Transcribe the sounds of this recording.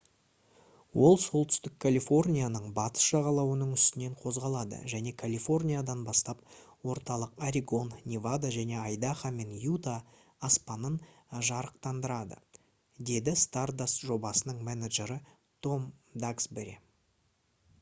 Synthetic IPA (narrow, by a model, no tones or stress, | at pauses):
wo̞lˠso̞lˠt̪ʏ̥st̪ɪkʰːalʲifo̞rnʲijanəɴbɑt̪ə̥sʒɑʁɑlˠɑwənəɴʏst̪ɪne̞ɴqʰo̞zʁɑlˠɑd̪ə̰ʒæne̞kʰalʲifo̞rnʲijad̪ɑnbɑst̪ɑp̚wo̞ɾt̪ɑlˠəqaɾʲiɡo̞nnʲivad̪aʒæne̞ɑjd̪aχame̞njut̪aː | spɑnənʒɑɾəqt̪ɑnd̪əɾɑd̪ə̰ | d̪e̞d̪ɪst̪ard̪asʒo̞bɑsənəɴmænaʒe̞ɾə | t̪ʰo̞md̪aksbeɾʲḛ